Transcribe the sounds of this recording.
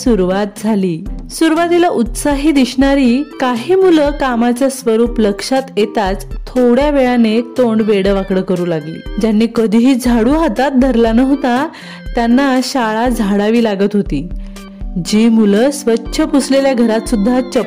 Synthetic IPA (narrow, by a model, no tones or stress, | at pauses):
suɾuʋat̪̚d͡zʱaliːsuɾʋat̪ilaʔut̪saɦiːd̪iɕɳaɾiːkaɦiːmuləkamat͡ɕjasʋəɾuːpləkʂat̪jet̪at͡st̪ʰoɽjaʋeɭanet̪oɳʋeɽəʋakɽəkəɾuːlaɡlḭːd͡ʑanːiːkəd̪ʱiɦiːd͡zʱaɽuːɦat̪at̪̚d̪ʱəɾlanəʋt̪a | t̪janːaɕaɭad͡zʱaɽaʋiːlaɡət̪ɦot̪iː | d͡ʑiːmuləsʋətːɕʰəpusleljaɡʱəɾat̪sud̪ʱːat͡ɕə